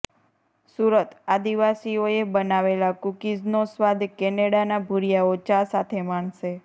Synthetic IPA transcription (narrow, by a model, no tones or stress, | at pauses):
suɾət̪ad̪iʋasioebənaʋelakukid͡ʒnosʋad̪ʱkɛneɽanabʱuɾijaot͡ʃasat̪ʰemaɳʃe